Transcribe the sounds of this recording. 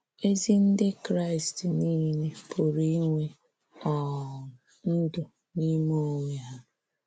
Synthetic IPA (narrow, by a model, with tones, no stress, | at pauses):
e˦zi˦n̩˦dɪ˦kɾa˦ɪ˨stniː˦ne˦pʰo˨ɾi˦ŋʷe˦ | ɔ˨ | n̩˦dʊ˨ | ni˦mo˦ŋʷe˨ɦa˦